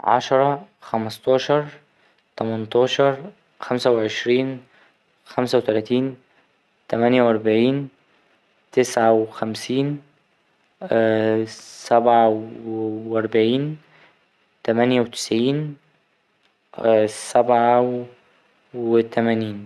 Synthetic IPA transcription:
ʕɑ̰ʃɑɾˤɑxæmɑst̪ˤɑːʃɑɾˤ | t̪æmænt̪ˤɑːʃɑɾˤ | xæmsæweʕeʃɾiːn | xæmsæwet̪ælæːt̪iːn | t̪æmænjæwʔɑɾˤbaʕiːn | t̪esʕawxæmsiːn | sæbʕa | ʔɑɾˤbaʕiːn | t̪æmænjæwet̪ɪ̥sʕiːn | sæbʕa | wet̪æmæniːn

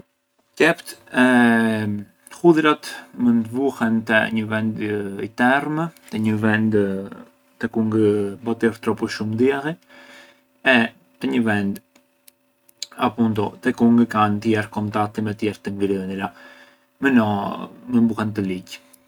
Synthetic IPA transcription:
kɛpt̪ɛ | huðɾat̪mənbuhɛnt̪əɲəvɛnd̪ḭt̪ɛɾmət̪əɲəvɛnd̪ | t̪ɛkuŋɡbɔt̪iɾt̪ɾɔpuʃumd̪jɛɾi | ɛ | t̪əɲəvɛnd̪ | apunt̪ɔt̪ɛkuŋɡəkant̪jɛɾkɔnt̪ak̚t̪imɛt̪jɛɾt̪əŋɡɾinila | mənɔmənbuhɛnt̪̬əliɟ

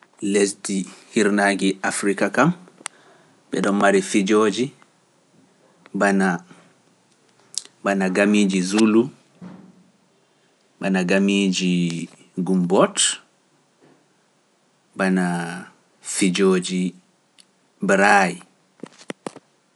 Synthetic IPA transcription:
lesdihiɾnaɡiafɾikakam | bɛ̰ɗɔnmaɾifid͡ʒod͡ʒi | bana | banaɡamiːd͡ʒizulu | banaɡamiːd͡ʒi | ɡumbɔt | bana | fid͡ʒoːd͡ʒi | bɾaj

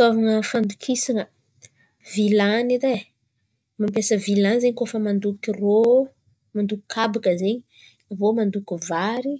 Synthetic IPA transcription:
t̪avaŋəfand̪ukʰisinə | vilaniɾe | mampesəvilanzeɲikofəmand̪ukiro | mand̪uku̥kʰabakəzeɲi | vomand̪ukivaɾi

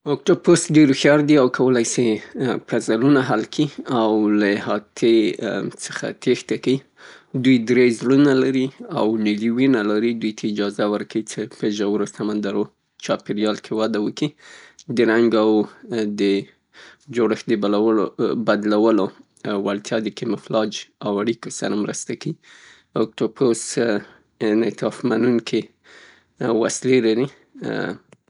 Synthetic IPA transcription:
ok̚ʈoposɖeɾxjɑɾd̪iawkʰawəlajsepazalunaɦalkʰiawlahɑt̪ʰet͡sə̥xa̰t̪ext̪akai | d̪ujd̪ɾezlunalaɾiawniliwinalaɾid̪ujt̪ʰaɪd͡ʒɑzawəɾkawit͡sepəʒawəɾosamand̪aɾo | t͡ʃɑpɪɾjɑlkʰewad̪awəkid̪əɾaŋɡawd̪ə | d͡ʒoɽəxd̪əbalawlobad̪lawəlo | walt̪ʰjɑd̪əkemɪflɑd͡ʒawaɽikosaɾamɾəst̪aki | ʊk̚t̪opʰos | net̪ɑfmanunkʰe | wa̰slelaɾi

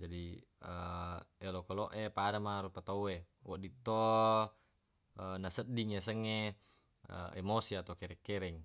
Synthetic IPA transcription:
d͡ʒadi | əelokɔlɔʔepadamaɾupat̪aue | wɔʔdit̪o | ənasədiŋasəŋe | ə̰emosiat̪aukɛɾɛkːɛɾɛŋ

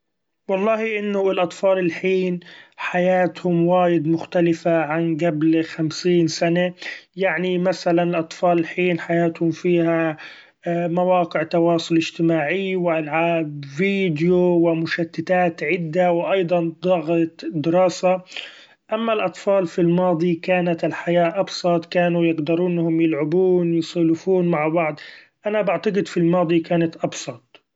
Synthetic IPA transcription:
wɑlˤːɑːhiʔɪnːʊɪlʔɑt̪ˤfɑːlɪlħiːnħajaːt̪hʊmwaːjɪd̪mʊxt̪alɪfaʕanɡablxamsiːnsanajaʕnimasalanɪlʔɑt̪ˤfɑːlɪlħiːnħajaːt̪hʊmfiːha | mawɑːqɪʕt̪ɑwɑːsˤʊlʔɪʒt̪ɪmaːʕɪjwɪʔalʕaːbviːd̪jowɪmʊʃat̪ːɪt̪aːt̪ʕɪd̪ːawɪʔɑjd̪ˤɑnd̪ˤɑɣt̪d̪ɪɾɑːsa | ʔamːalʔɑt̪ˤfɑːlfilmɑːd̪ˤikaːnat̪ɪlħajaːʔɑbsˤɑt̪ˤkaːnujɪɡd̪ɑɾˤuːnːhʊmjɪlʕɪbuːnjɪsˤɑːlɪfuːnmaʕbɑʕd̪ˤ | ʔanabaʕt̪ɑɡɪd̪filmɑːd̪ˤikaːnat̪ʔɑbsˤɑt̪̚ˤ

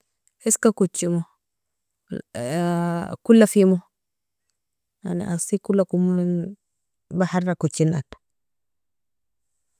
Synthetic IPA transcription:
eskakut͡ʃːimo | kulːafimo | a̰niʔasikulːakumn | bahaɾːakut͡ʃːinat

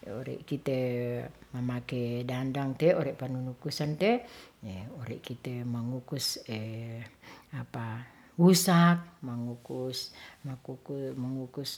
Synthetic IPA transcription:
o̰ɾɛ̰ʔkit̪e | mamakedandaŋt̪ɛoɾɛʔpanunukusant̪ɛeoɾɛʔkit̪emaŋukusɛ | apa | wusak̚maŋukusmakuumaŋukus

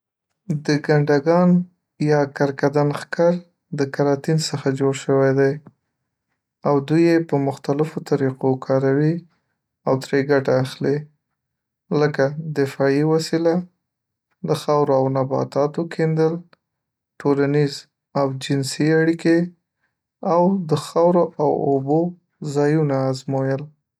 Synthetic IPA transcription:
d̪əɡaɳɖaɡɑn | jɑkaɾkad̪anxkɑɾ | d̪əkaɾɑt̪insəxad͡ʒoɽʃəwajd̪aj | awd̪ujepəmʊxt̪alɪfot̪aɾiqokʰɑɾawi | awt̪ɾeɡaʈaːxli | ləkad̪ɪfɑiwasila | d̪əxɑwɾoawnabɑ̰t̪ɑt̪wəkʰend̪əl | ʈolaniz | awd͡ʒɪnsiaɽike | awd̪əxɑwɾoʔawobo | zɑjunaːzmojəl

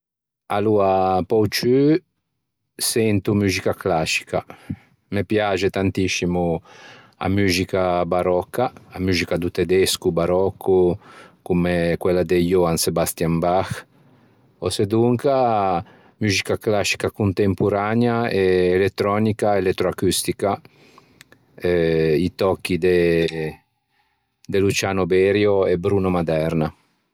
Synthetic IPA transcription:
aluapɔwt͡ʃy | sɛnt̪umyzikaklasi̥ka̰ | mepjad͡ʒet̪ant̪isimu | a̰myzikabaɾɔkːaːmyzikad̪ut̪ed̪ɛskubaɾɔkʰːukumekwɛlːad̪ejoansebast̪jambax | o̰sed̪uŋka | myːzikaklasːi̥kakunt̪empuɾanjaeːlet̪ːɾɔnikaelɛt̪ːɾoakyst̪ika | ɛit̪ɔkːid̪e | d̪elut͡ʃanobɛɾjoebɾunomad̪ɛɾna

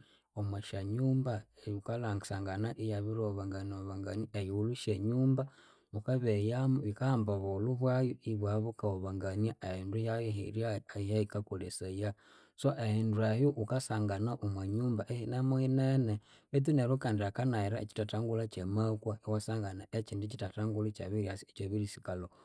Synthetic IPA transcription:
omwaʃaɲuːmbaukalaŋɡsaŋɡanaʔijaβiɾoβaŋɡanoβaŋɡaniejiuluʃeɲuːmba | ukaβejamβikambaβoluβwajuiβwaβukaoβaŋɡaniaehindujajoɦḭɾiaijaikakoleseja | soʔehinduejuʔukasaːŋɡanaʔumwaɲuːmbaʔehinamuinene | βit̪̬uneɾukaːndiakanaiɾaḛt͡ʃi̥tataŋɡulat͡ʃemakwaiwasaːŋɡanaet͡ʃiːndit͡ʃitataŋɡulut͡ʃa̰βiɾiasiet͡ʃoβiɾisi̥kalo

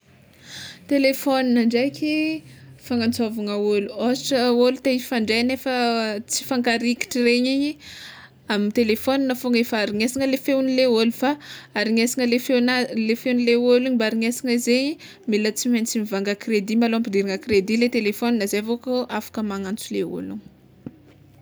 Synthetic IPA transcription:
t̪elefɔninaɳɖ͡ʐajkʲifaŋant͡sovaŋəoluosʈ͡ʂəolut̪eifaɳɖ͡ʐejnefət͡si̥faŋkaɾiki̥ʈ͡ʂireɲiɲi | amit̪elefoninəfoŋefaɾiŋesiŋəlefewnileolufaaɾiɲesiŋəlefewnalefewunileoluɲibaaɾiŋesiŋəizeɲi | milət͡simant͡simivaŋɡəkred̪imaloampid̪iɾiŋəkred̪ilet̪elefoninazeavokoʔafḁkəmaŋant͡suleo̰lṵɲ

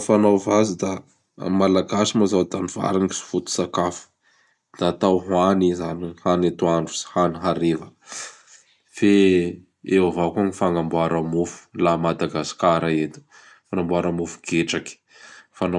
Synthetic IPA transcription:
fanawvazid̪a | malaɡasimazawt̪aniva̰ɾini̥si̥fut̪u̥sakafu̥ | d̪̥aːt̪awɦwanizanihanat̪uaɳɖ͡ʐu̥i̥haniɦaɾevə | fe | eavakanifaŋambuaɾamufu̥lamad̪aɡasi̥kaɾaet̪u̥ | fanambuaɾamufu̥ɡ̥eʈ͡ʂaki̥ | fana

